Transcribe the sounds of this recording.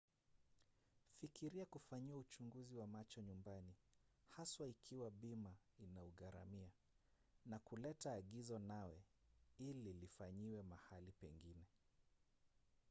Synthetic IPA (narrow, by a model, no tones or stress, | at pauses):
fikiɾiakufaɲiwaut͡ʃuŋɡuziwamat͡ʃɔɲumbanihaswaikʰiwaɓima | inauɣaɾa̰mia | nakulɛtaːɠizɔnawɛililifaɲiwɛmahalipɛŋɡinɛ